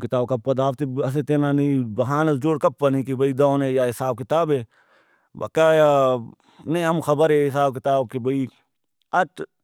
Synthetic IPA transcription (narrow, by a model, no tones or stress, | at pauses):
kɪt̪aːbkɐpːɐd̪aːft̪eɐs̬et̪eːnaːnibɐɦaːnɐsd͡ʒoːɽkɐpːɐnĩkibʱɐid̪aːnẽːjaɦɪsaːb̚kɪt̪aːbeː | bɐ̰kaːja | nɐĩɦɐmxɐbəɾɦeɦɪs̬aːb̚kɪt̪aːb̚kebɐi | ɐʈ